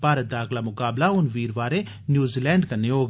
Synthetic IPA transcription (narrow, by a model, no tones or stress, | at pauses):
paːɾət̪̚d̪aːxlaːmʊkaːblaʊnʋiːɾʋaːɾe | njuːziːlɛ̃ːɳɖkənːeoːɡ